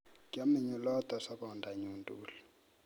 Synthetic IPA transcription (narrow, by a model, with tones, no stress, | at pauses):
kʼa˦mi˨ɲu˨lɔ˦t̪ʼa˨sa˦kɔ˨ndʱa˨ɲuntʼuːli